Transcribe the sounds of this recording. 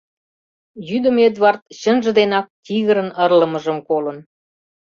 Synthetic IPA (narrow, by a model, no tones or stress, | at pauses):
jyd̪ə̆med̪βɑrt̪̚ɕənʒə̆d̪enɑk̚t̪iɣəɾə̆nərlə̆mə̆ʒəmkolən